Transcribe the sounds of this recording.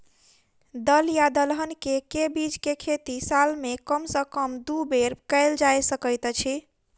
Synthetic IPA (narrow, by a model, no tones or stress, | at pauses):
d̪əljad̪əlɦənkekebid͡ʒkekʰet̪isalmekəmsə̃kəmd̪ubeɾkəɪld͡ʒajsəkəjt̪t͡ʃʰi